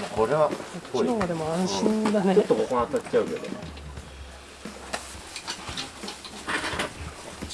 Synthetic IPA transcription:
mako̞ɾe̞βaanoɡad̪e̞moãɰ̃ɕĩnd̪aneot̪ːokokonat̪ːat͡ɕːt͡ɕaɯ̟ke̞d̪o̞̰

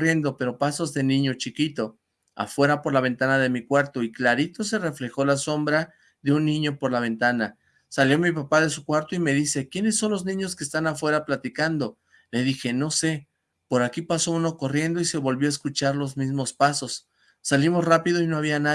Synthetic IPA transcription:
rje̞nd̪o̞pe̞ɾo̞paso̞zðe̞nĩɲo̞t͡ʃikit̪o̞ | a̰fwe̞ɾapo̞ɾlaβ̞e̞nt̪anaðe̞mikwaɾt̪o̞iklaɾit̪o̞s̬e̞re̞fle̞xo̞laso̞mbɾa | ðe̞unːĩɲo̞po̞ɾlaβe̞nt̪ana | saljo̞mip̬apaðe̞sukwaɾt̪oime̞ðise̞kje̞ne̞sːo̞nlo̞znĩɲo̞skeːst̪anafwe̞ɾaplat̪ikand̪o̞ | le̞ðixe̞no̞se̞ | po̞ɾakipaso̞uno̞ko̞rje̞nd̪o̞ise̞βo̞lβjoaeskut͡ʃaɾlo̞zmizmo̞spaso̞sː | alimo̞srapiðo̞ino̞aβ̞iana

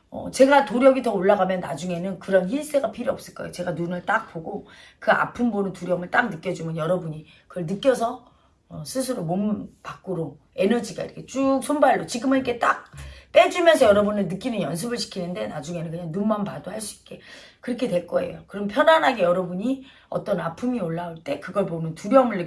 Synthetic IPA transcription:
ʌ̰t͡ɕe̞ɡatoɾjʌɡitʌoɭːaɡamjʌnːa̰d͡ʑuŋe̞nɯnkɯɾʌnçins͈ʰeɡapʰiɾiʌp̚s͈ɯɭk͈ʌejot͡ɕe̞ɡanunɯɭt͈ak̚p͈oɡokɯa̰pʰɯmbonɯntuɾjʌmɯɭt͈ak̚nɯk͈jʌd͡ʑumjʌnjʌɾʌbuɲi | kɯɭnɯk͈jʌs̬ʰʌ | ʌsʰɯsʰɯɾomompak͈ɯɾo | e̞nʌd͡ʑiɡa̰ḭɾʌkʰet͡ɕ͈uk̚sʰombaɭːot͡ɕiɡɯmɯnike̞t͈ak̚p͈e̞d͡ʑumjʌnsʰʌjʌɾʌbunɯnnɯk͈inɯnjʌns̬ʰɯbɯɭɕʰi̥kʰinɯnde̞nad͡ʑuŋe̞nɯnkɯɲaŋnunmanpadoɦaɭs͈uik̚k͈e̞kɯɾʌkʰe̞dwe̞ɭk͈ʌe̞̰jokɯɾʌmpʰjʌnanɦaɡe̞jʌɾʌbuɲi | ʌ̰t͈ʌnapʰumioɭːauɭt͈e̞kɯɡʌɭponɯntuɾjʌmɯɭː

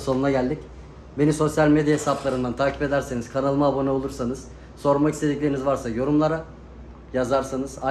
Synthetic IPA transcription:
so̞nunaɟælʲd̪ic | be̞niso̞sjalʲme̞d̪jaɦesaplˠaɾɯnd̪ant̪ʰaːcʰipe̞d̪æɾse̞niz̥kʰanalˠmaːbo̞nɛo̞lˠuɾsanɯz̥ | so̞ɾmakist̪ʰe̞d̪iclʲeɾinizvaɾsajo̞ɾumlˠaɾa | jazaɾsanɯz̥a

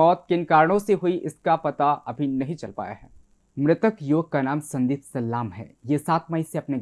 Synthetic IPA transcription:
ɔːt̪̚kɪnkaːɾɽ̃õseɦʊiʔɪskapɐt̪aɐbʱinɐɦĩt͡ʃɐlpa̰ːja̰ɦɛː | mɾɪt̪əkjoːɡ̚kːanaːmsɐ̃nd̪iːt̪sɐlːaːmɦɛ̰ːjesaːt̪mɐiseɐpne

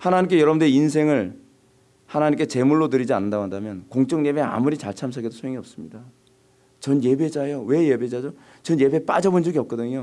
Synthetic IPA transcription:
hanaɲimk͈e̞jʌɾʌbɯndeins̬ʰe̞ŋɯɭ | hanaɲimk͈et͡ɕe̞muɭːot̬ɯɾid͡ʑianːɯndaɡoɦandamjʌnkoŋt͡ɕ͈ʌŋɲe̞be̞a̰muɾit͡ɕaɭt͡ɕʰams̬ʰaɡedosʰojeŋiʌp̚s͈ɯmɲida | t͡ɕʌnje̞be̞d͡ʑajowe̞je̞be̞d͡ʑad͡ʑo | t͡ɕʌnje̞be̞p͈a̰d͡ʑʌbond͡ʑʌɡiʌp̚k͈ʌdɯɲo

